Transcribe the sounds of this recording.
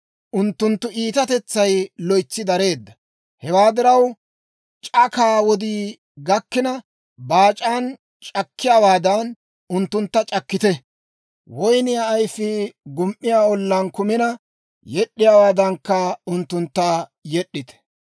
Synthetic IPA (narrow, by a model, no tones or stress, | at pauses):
ʔʊnt̪ːʊnt̪ːʊʔiːt̪ɐt̪ɛt͡sːɐjlɔjt͡sːɪd̪ɐɾe̞ːd̪ːɐ | hɛwaːd̪ɪɾɐw | t͡ʃʼɐkaːwɔd̪iː | ɡɐkːɪnɐ | baːt͡ʃʼaːn | t͡ʃʼɐkʰːɪjaːwaːd̪ɐn | ʊnt̪ːʊnt̪ːɐt͡ʃʼɐkːɪt̪ɛ | wɔjnɪjaːjfɪɡʊmʔːɪjaːɔlːɐnkʊmɪnɐ | jɛɗːɪjaːwaːd̪ɐŋkːɐʊnt̪ːʊnt̪ːɐjɛɗːɪt̪ɛ̥